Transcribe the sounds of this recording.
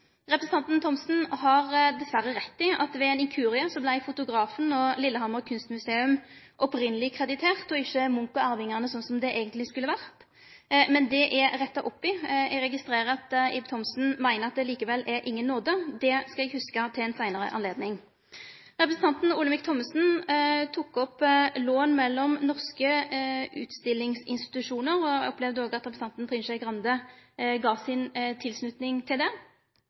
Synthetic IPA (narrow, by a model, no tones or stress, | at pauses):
ʁɛpɾəsn̩ɑnt̪n̩t̪ʰɔmsn̩ɦɑʁd̪ɛsʋæɾːəʁɛt̪ːɪʔɑ̰t̪ʋɛɛːnɪŋkʰʉːʁɪəsɔblæɪfʊt̪ʊɡɾɑːfənɔlɪlːəhɑməkʰʉnst̪mʉseːʉm | ʔɔpɾɪnəlɪkʰʁɛd̪ɪt̪ʰeːʁt̪ɔɪçːəmʊŋkʊæːʁʋɪŋːəʁnəsɔnsɔmd̪ɛʔeːɡənt̪lɪskʉlːəʋæʁt̪ | mɛnd̪ɛʔɛʁɛt̪ːɑʔɔpːɪɛ̰ɡʁɛɡɪst̪ɾeːɾʁəɑt̪ɪb̚t̪ʰɔmsn̩mæɪnəʁɑt̪̚d̪ɛliːkəʋɛlːʔɛɾʔɪŋːənːoːd̪əd̪ɛskɑɛɡhʉskət̪ʰɪlɛnsæɪnəɾə̰ʔɑ̰nleːd̪nɪŋ | ʁɛpɾəsn̩t̪ʰɑnt̪n̩ʊləmɪkt̪ʰɔmsn̩t̪ʰukːɔploːnmɛlːɔmnɔʁskəʉ̰ːt̪st̪ɪlːɪŋsɪnst̪ɪ̥t̪ʉʂuːnəʁɔɔpːlɛʋd̪əoːɡɑt̪ɾɛpɾs̩ɑnt̪nt̪ɾʁɪnʃɛɪkʁɑnd̪əɡɑːsɪnt̪ʰɪlsnʉt̪nɪŋt̪ʰɪld̪ɛ